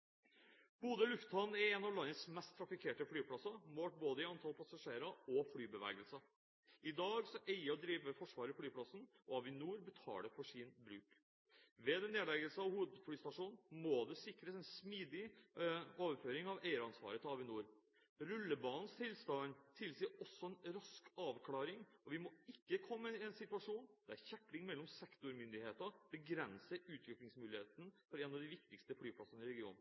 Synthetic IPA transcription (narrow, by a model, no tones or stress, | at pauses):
b̥uːd̪əlʉft̪ʰɑnn̩ɛɾɛnɑʋlɑnːəsmɛst̪ʰːɾɑfɪkʰeːʈəflyːpʰlɑsɑmoːʈ̚boːd̪əɪɑnt̪ʰɑlpʰɑsɑʂeːɾɑɔfɽyːbəʋæ̰ːɡəlsɑ | ɪd̪ɑːɡsɔʔæɪəɔd̪ɾiːʋʋəfɔʂʋɑːɾəflyːpʰlɑsn̩ | ɔɑʋɪnuːɾbət̪ʰɑ̰ːləfɔʂinbɾʉ̰ːk | ʋɛd̪ɛneːd̪lɛɡəlsəɑʋhuːʋəd̪fyːst̪ɑʂuːnn̩moːd̪ɛsɪkːɾəsɛnsmiːd̪ɪ | oːʋəføːɾɪŋɑʋeɪəɾɑnsʋɑ̰ːɾət̪ʰɑːʋɪnuːɾ | ɾʉlːəbɑːnn̩st̪ʰɪlst̪ɑnt̪ʰɪlsiːɔsːɔɛnɾɑskɑːʋkʰlɑːɾɪŋɔʋɪmoɪkːəkʰɔmːəɪɛnsɪt̪ʉɑʂuːnd̪̥ɛæɾçækːlɪŋmɛlːɔmsɛkt̪ʊɾmʏnd̪ɪheːt̪əbəɡɾɛnsəʉːt̪ʰʋɪklɪŋsmʉːlɪheːt̪ənəfɔɾɛnɑʋd̪ɪʋɪkt̪ɪkst̪əflyːpʰlɑsənəɪɾɛɡɪṵːn